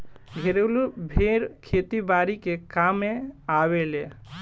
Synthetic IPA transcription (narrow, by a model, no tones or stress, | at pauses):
ɡʱeɾelubʱeɾkʰet̪ibaɾikekameaβele